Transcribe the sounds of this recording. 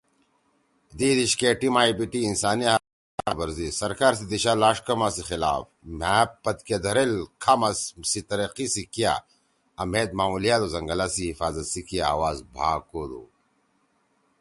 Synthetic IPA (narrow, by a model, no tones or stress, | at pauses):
d̪iːd̪iɕkeʈimaːibiʈiːnsaːnia | bɐɾzisɐɾkaːɾsid̪iɕalaːʂkɐmasixila̰ːf | maːpːɐt̪ked̪ɐɾelkʰamɐssit̪ɐɾɐqisikija̰ | ɐmeːt̪̚maːulijaːt̪ozɐŋɡɐlasiɦifaːzɐt̪sikijaawaːzbʱa̰ːkod̪ṵ